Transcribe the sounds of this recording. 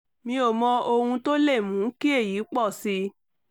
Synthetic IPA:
mĩ˧o˨mɔ̃˧ʔo˧hũ˧to˦le˦˨mũ˨˦ki˦e˦˨ji˨˦k͡pɔ˦˨si˧˦

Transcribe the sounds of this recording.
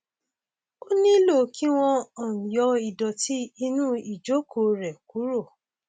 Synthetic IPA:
o˦nĩ˦lo˦˨˦kʰi˦w̃ɔ̃˧ɔ̃˦˨jɔ˧i˨dɔ˨ti˨˦i˧nũ˦i˦˨d͡ʒo˨˦kʰo˨ɾɛ˨ku˨˦ɾo˦˨

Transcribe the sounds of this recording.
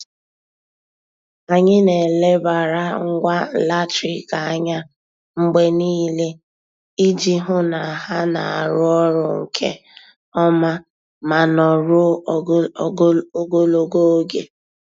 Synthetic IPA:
a˨ɲɪ˦ne˨le˦ba˨ɾa˦ŋ̩˦ɡʷa˦˨la˦tɾi˨ka˨a˦ɲa˦ | ŋ͡m̩˦ɡ͡be˦niː˦le˦ | i˦d͡ʒi˦ɦʊ˦na˨ɦa˦na˨a˨ɾʊ˦ɔ˦ɾʊ˨ŋ̩˨kʰḛ˦ | ɔ˦ma˦ | ma˨nɔ˨ɾʊ˦ | o˦ɡo˦lo˨ɡo˦o˦ɡḛ˦

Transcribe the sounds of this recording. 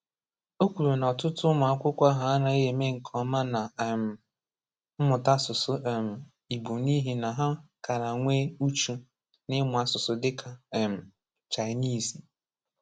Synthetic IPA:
o˦kʷu˨ɾe˨n˨ɔ˨tʊ˦tʊ˦mʊ˨a˦kʷʊ˦kʷa˦ɦa˨˦a˦na˨e˦ɦe˨me˦ŋ̩˨kʰɔ˨˦ma˦na˨m̩˨ | m̩˦mʊ˨ta˦sʊ˨sʊ˦˨m̩˨ | i˨ɡ͡bu˨ni˦ɦi˨na˨ɦa˦ka˨ɾa˨ŋʷe˦u˦t͡ʃu˦ | nɪ˦mʊ˨a˨sʊ˨sʊ˨dɪ˦kʰa˨m̩˨ | t͡ʃa˨ɪ˨˦ni˦˨si˨

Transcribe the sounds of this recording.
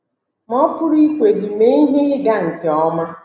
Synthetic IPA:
m̩˦ɔ˦pʊ˦ɾi˦kʷe˨dɪ˨me˦i˦ɦe˦ɪ˦ɡa˦ŋ̩˨ke˨ɔ˦ma˦

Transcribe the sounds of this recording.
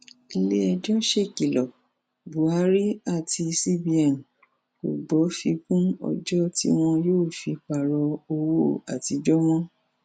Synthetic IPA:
i˧le˦ɛ˧d͡ʒɔ˦ʃe˦˨ki˨lɔ˨ | bu˨a˨˦ɾi˦a˦˨ti˧si˦bi˧a˨n̩˨ | ko˨ɡ͡bɔ˨˦fi˧kũ˦ɔ̰˧d͡ʒɔ˦tḭ˦w̃ɔ̃˧joː˦˨fi˧k͡pa˨ɾɔ˧o˧wo˦˨a̰˨ti˧d͡ʒɔ˦w̃ɔ̃˦

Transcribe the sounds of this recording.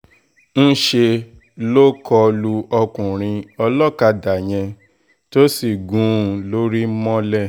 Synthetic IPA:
n̩˦ʃe˧ | lo˦kɔ˧lu˧ɔ˧kũ˨ɾ̃ĩ˧ɔ˧lɔ˦˨ka˧da˨j̃ɛ̃˧ | to˦si˦˨ɡũ˨˦˨lo˦ɾi˦mɔ̃˦lɛ˦˨

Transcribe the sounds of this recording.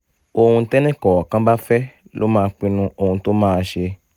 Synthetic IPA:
o˧hũ˧tɛ˦nɛ̃˦kɔ˨wɔ˨kã˦ba˦fɛ˦ | lo̰˦mãː˦˧k͡pĩ˧nũ˧o˧hũ˧to˦mãː˦˧ʃe˧

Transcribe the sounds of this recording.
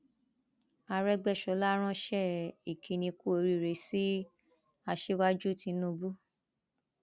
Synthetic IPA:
a˧ɾɛ˦ɡ͡bɛ˦˨ʃɔ˨˦la˦ɾ̃ã˦ʃɛ˦˨i˨kʰĩ˨˧nĩ˧ku˦o˧ɾi˦˧˨ɾe˨˦si˦ | a˧ʃe˦wa˦d͡ʒu˦˨ti˧˦nũ˦˧bu˦

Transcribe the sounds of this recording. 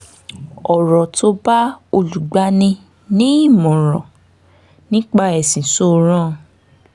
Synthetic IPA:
ɔ˨ɾɔ˨to˧ba˦o˧lu˨ɡ͡ba˨˦nĩ˧ | nĩ˦i˦˨mɔ̃˨ɾɔ̃˨ | nĩ˦k͡pa˦ɛ˨sĩ˨so˦˨ɾ̃ã˦

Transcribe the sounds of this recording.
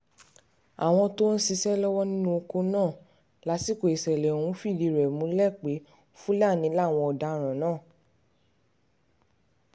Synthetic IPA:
a̰˨w̃ɔ̃˧to˦n̩˦si˧ʃɛ˦lɔ˦wɔ˦nĩ˦nũ˦o˧ko˧nãː˦˨ | la˨˦si˦˨ko˨e˨sɛ˨lɛ˨ũ˨˦fi˦˨di˧˨ɾɛ˨mũ˧˦lɛ˦˨k͡pe˨˦ | fũ˦la˦˨nĩ˨˧˦la˦˨w̃ɔ̃˧ɔ˨da˧ɾ̃ã˨nãː˦˨

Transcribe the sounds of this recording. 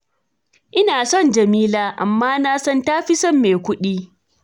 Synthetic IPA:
ʔɪ˦naː˨sɔ˦˨nd͡ʒɐ˨miː˦laː˦ʔa̰˨mːaː˦naː˦sɐ˦ntaː˦ɸɪ˦sɐ˦mːeː˨kʷʊ˦ɗiː˦

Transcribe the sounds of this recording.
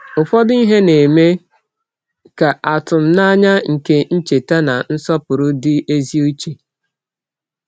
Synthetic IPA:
ʊ˨fɔ˦dʊ˦i˦ɦe˦ne˨me˦ | ka˨ʔa˨tʊ˨m̩˦na˦ɲa˦ŋ̩˨ke˦n̩˦t͡ʃe˨ta˦na˨n̩˦sɔ˦pʊ˨ɾʊ˦dɪ˦ʔe˦zi˦u˦t͡ʃi˨

